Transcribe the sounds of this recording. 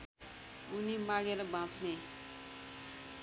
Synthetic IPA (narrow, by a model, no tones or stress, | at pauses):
unimaɡeɾʌbʱãt͡sʰne